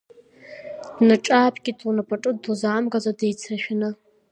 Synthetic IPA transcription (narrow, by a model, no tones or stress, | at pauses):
d̥nɨʈ͡ʂʼaːpʰʼɡʲɪtʰʼunapʼaʈ͡ʂʼɨduzaːmɡazadejt͡sʰaʃᶣnɨ